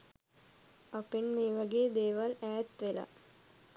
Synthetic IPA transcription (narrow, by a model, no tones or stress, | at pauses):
ɐpinmeːʋɐɡeːd̪eːʋɐlæːt̪ʋelɐ̰